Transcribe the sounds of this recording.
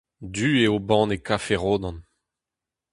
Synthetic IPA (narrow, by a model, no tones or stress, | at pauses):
d̪yːeobɑ̃ːnekafeʁoːd̪ɑ̃n